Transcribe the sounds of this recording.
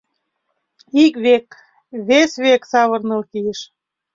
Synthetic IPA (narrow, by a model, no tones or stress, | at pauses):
ikβek | βesβeksɑβɤ̆rnɤ̆lkijeʃ